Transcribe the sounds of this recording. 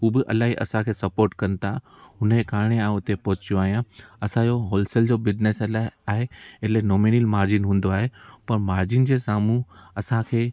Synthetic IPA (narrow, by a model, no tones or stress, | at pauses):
ɦuːbɪʔɐ̰laːɦiʔɐ̰sãkʰeːsɐpoːɾʈkɐnɪ̆t̪ʰa | ɦʊnekaːɾɪɽ̃eaːẽʊt̪epɔɦʊt͡ɕijoaːɦijãɐsãd͡ʑoɦoːlsəld͡ʑoːbɪd͡ʑneslaaːɦeɪlenoːmiːnəlmaːɾd͡ʑinɦũːnd̪oaːɦepɐɾmaːɾd͡ʑɪnd͡ʑeːsaːmũɐsãkʰeː